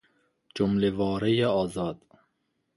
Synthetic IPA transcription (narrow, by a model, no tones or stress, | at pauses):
d͡ʒomlevɑːɾɛjeɑːzɑːd̪̥